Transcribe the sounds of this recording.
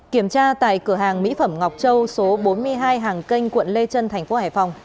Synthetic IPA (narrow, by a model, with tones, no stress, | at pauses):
ki˧˩əmt͡ɕaː˧t̪a̰ː˧˨jkɨ˧˩əɦaː˨˩ŋmḭ˧˥fə˧˩mŋa˨˩wk͡p̚t͡ɕə˧wso˨˦ɓo˨˦nmɨ˧əjɦaː˧jɦaː˨˩ŋkə˧jŋ̟kwə̰˧˨nle˧t͡ɕə˧nt̪ʰɛ˨˩jŋ̟fo˨˦haː˨˩jfa˨˩wŋ͡m